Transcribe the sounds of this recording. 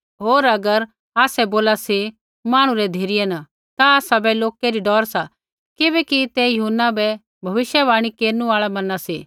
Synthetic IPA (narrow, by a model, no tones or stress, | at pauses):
ɦoːɾɐɡəɾ | aːsɛboːlasi | maːɽ̃ũɾɛd̪ʱeːɾɪjɛna | t̪aaːsabɛloːkeɾiɖɔːɾsa | kɪbɛkit̪ɛjɐɦʊnːabɛ | bʱɐʋɪʃjɛʋaːɽ̃ikeːɾnũaːɭɛmɐnasi